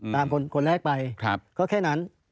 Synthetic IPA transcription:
t̪aː˧mkʰo˧nkʰo˧nɾɛː˥˩k̚pa˧jkʰa˦˥p̚kɔː˥˩kʰɛː˥˩na˦˥n

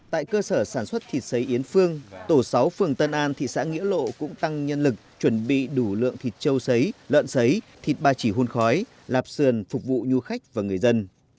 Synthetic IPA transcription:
t̪a̰ː˧˨jkəː˧səː˧˩saː˧˩nswə˦˥t̚t̪ʰi˨˩t̚sə˨˦jʔi˨˦ənfɨ˧əŋt̪o˧˩sa˨˦wfɨ˨˩əŋt̪ə˧nʔaː˧nt̪ʰḭ˧˨sa̰ː˧˥ŋḭ˧˥əlo̰˧˨kʊ̰˧˥ŋ͡mt̪a˧ŋɲə˧nlɨ˨˩k̚t͡ɕwə˧˩nɓḭ˧˨ɗu˧˩lɨ̰˧˨əŋt̪ʰi˨˩t̚t͡ɕə˧wsə˨˦jlə̰ː˧˨nsə˨˦jt̪ʰi˨˩t̚ɓaː˧t͡ɕi˧˩ɦu˧nxɔ˨˦j | laː˨˩p̚sɨ˨˩ənfʊ˨˩k͡p̚vṵ˧˨ɲu˧xa˦˥jk̟̚vaː˨˩ŋɨ˨˩əjzə˧n

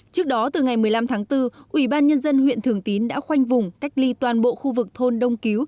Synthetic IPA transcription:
t͡ɕɨ˦˥ək̚ɗɔ˨˦t̪ɨ˨˩ŋa˨˩jmɨ˨˩əjla˧mt̪ʰaː˨˦ŋt̪ɨ˧ʔwi˧˩ɓaː˧nɲə˧nzə˧nhwḭ˧˨nt̪ʰɨ˨˩əŋt̪i˨˦nɗa̰ː˧˥xwa˧jŋ̟vʊ˨˩ŋ͡mka˦˥jk̟̚li˧t̪waː˨˩nɓo̰˧˨xu˧vɨ˨˩k̚t̪ʰo˧nɗə˧wŋ͡mki˨˦w

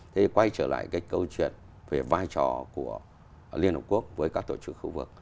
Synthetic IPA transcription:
t̪ʰe˨˦kwa˧jt͡ɕəː˧˩la̰ː˧˨jkaː˨˦jkə˧wt͡ɕwḭ˧˨ən | ve˨˩vaː˧jt͡ɕɔ˨˩ku˧˩ə | li˧ənhə̰˨˧˩ku˦˥ək̚vəː˨˦jkaː˦˥k̚t̪o˧˩t͡ɕɨ˦˥k̚xu˧vɨ˨˩k̚

